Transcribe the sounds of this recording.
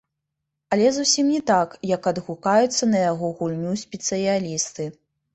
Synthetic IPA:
ɐlʲɛzusʲimnʲɛt̪akjɐkɐd̪ɣukajut̪sːɐnɐjaɣɔɣulʲnʲusʲpʲɛt̪sɨjalʲist̪ɨ

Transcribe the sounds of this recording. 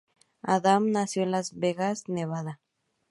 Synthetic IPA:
aðamnasjo̞enlazβeɣazneβaða

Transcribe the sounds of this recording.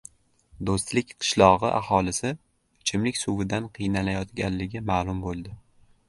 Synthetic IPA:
d̪ost̪lɪkʲqʰɨ̥ʃlˠɒʁɨʔa̰hɒlɪsɪ | ɪt͡ʃʰɪmlɪkʲsuvɪd̪anqʰɨjnalajɒt̪ɡʲanlɪɡʲɪmaːlˠʊmbolˠd̪ɪ

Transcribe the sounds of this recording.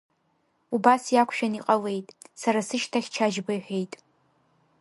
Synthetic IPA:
ubasjakʷʰʃᶣaniqʼɐlejtʼsaɾasɨʃtʰaχʲt͡ʃʰaʒbɨjħʷᶣe̞jtʼ

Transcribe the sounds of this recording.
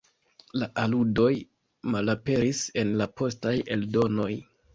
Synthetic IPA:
laʔaludo̞j | malape̞ɾise̞nlapo̞staje̞ldo̞no̞j

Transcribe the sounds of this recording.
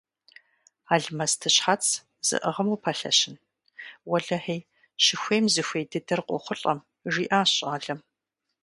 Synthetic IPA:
aːɮmɐstʰɨɕħat͡sʰ | z̥ɨ̰ʔəʁɐmuːpʰɐɬɐ̰ɕɪn | wɐɮɐħej | ɕɪxʷeːmzɨxʷeːdɨdɐrqʷɔ̰χʷʊɬʼɐm | ʒiːʔaːɕʼaːɮɐm

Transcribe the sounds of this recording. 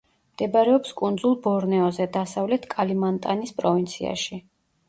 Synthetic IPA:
md̪̥ɛbaɾɛɔpskʼund̪zulˠbɔɾnɛɔzɛd̪asavlɛt̪ʰkʼalimant̪ʼanispʼɾɔvint̪sʰia̰ʃi

